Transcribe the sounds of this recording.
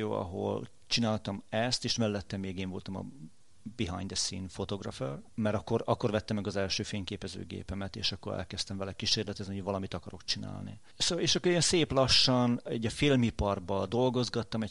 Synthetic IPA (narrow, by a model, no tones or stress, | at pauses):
o̰ːɒ̰ɦo̞̰l | t͡ʃinaːlt̪ɒmɛst̪eːʃmɛlːɛt̪ːɛmeːɡeːɱvo̞lt̪ɒmɒ̰ | biɦɒ̰ɲd̪ɛsḭnfo̞t̪o̞ɡrɒførmɛɾɒkːo̞ɾɒkːorvɛt̪ːɛmːɛɡɒzɛlʃøːfeːɲkeːpɛzø̰ːɡḛːpɛmɛt̪ḛːʃɒkːo̞ɾɛ̰lkɛst̪ɛɱvɛlɛkiʃeːrlɛt̪ɛzniovɒlɒmit̪ɒkɒɾo̞kt͡ʃina̰ːlnḭ | soːleːʃɒkːoeːnseːplɒʃːɒnɛɟːɒfilmipɒrbɒd̪o̞lɡo̞zɡɒt̪ːɒmɛ